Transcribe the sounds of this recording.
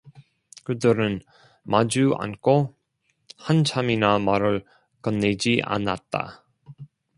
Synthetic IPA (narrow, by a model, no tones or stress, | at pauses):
kɯdɯɾɯn | mad͡ʑua̰nkʰo | hant͡ɕʰaminamaɾɯɭ | kʌnːed͡ʑiʔa̰nat̚t͈a̰